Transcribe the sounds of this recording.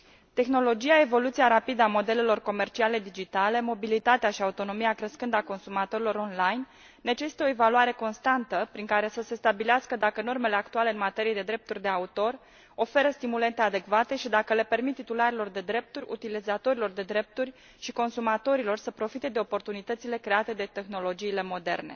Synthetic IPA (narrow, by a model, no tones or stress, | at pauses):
t̪e̞xno̞lo̞d͡ʒiae̞vo̞lut̪siaɾapid̪əamo̞d̪e̞le̞lo̞rko̞me̞rt͡ʃiale̞d̪id͡ʒit̪ale̞mo̞bilit̪at̪eaʃiaut̪o̞no̞miakɾəskɨnd̪əako̞nsumat̪o̞ɾilo̞ɾo̞nlajnː | e̞t͡ʃe̞si̥t̪eoe̞valuaɾe̞ko̞nst̪ant̪əpɾiŋkaɾe̞səse̞st̪abileaskəd̪akəno̞rme̞le̞akt̪ualeɨnmat̪e̞ɾijed̪e̞d̪ɾe̞p̚t̪urʲd̪e̞aut̪o̞r | o̞fe̞ɾəst̪imule̞nt̪e̞ad̪e̞kvat̪e̞ʃid̪akəle̞pe̞rmit̪t̪ːit̪ulaɾelo̞rd̪e̞d̪ɾe̞p̚t̪uɾʲṵt̪ilizat̪o̞ɾilo̞rd̪e̞d̪ɾe̞p̚t̪urʲ | ʃiko̞nsumat̪o̞ɾilo̞rsəpɾo̞fit̪e̞d̪e̞o̞po̞rt̪unit̪ət̪sile̞kɾe̞at̪e̞d̪e̞t̪e̞xno̞lo̞d͡ʒiːle̞mo̞d̪e̞̰rne̞̰